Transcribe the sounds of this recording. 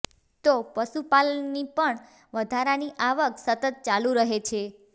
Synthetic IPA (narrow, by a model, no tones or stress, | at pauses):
t̪opəʃupalnipəɳ | ʋəd̪ʱaɾaniʔaʋəksət̪ət̪̚t͡ʃalũɾəɦet͡ʃʰe